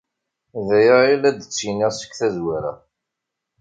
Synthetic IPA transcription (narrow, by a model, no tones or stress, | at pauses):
ðæjailæd̪ət͡sːiniʁsə̥kːθæzwaɾæ̰